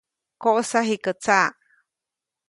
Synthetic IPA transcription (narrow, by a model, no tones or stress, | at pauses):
koʔsaɦikət͡sa